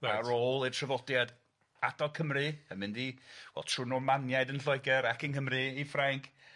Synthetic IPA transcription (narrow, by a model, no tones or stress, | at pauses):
aroːlˠɪrtʰrəvɔdjad | adɔkʰəmrɨəmɨndiːwɛ̰lˠtʰr̥uːnɔmanjajdənɬɔjɡɛɾakʰənkʰəmrɨifraŋkʰ